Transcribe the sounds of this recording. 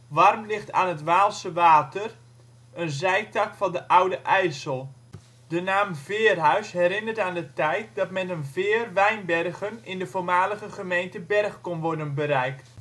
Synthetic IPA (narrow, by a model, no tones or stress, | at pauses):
ʋɑrmlɪxta̰ːnətʋaːlˠsəʋaːtər | ənzɛjtɑkfɑndəʔawdəʔɛjsəlˠ | d̥ənaːmvɪːrɦœɥsɦɛɾɪnərtaːndətɛjt̚dɑtmɛnənvɪːrʋɛjnbɛrɣənɪndəvoːrmaːləɣəχəmejntəbɛrχkonʋɔrdənbəɾɛjkt